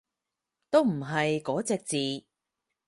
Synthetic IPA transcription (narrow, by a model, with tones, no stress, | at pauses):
t̪o˥wm̩˨˩ɦɐ˨jkɔː˨˥t͡sɛː˨k̚t͡siː˨